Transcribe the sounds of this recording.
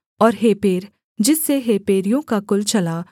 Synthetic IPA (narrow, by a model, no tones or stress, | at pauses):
ɔːɾɦeːpeːɾ | d͡ʒɪsːeɦeːpeːɾijõkakʊlt͡ʃɐla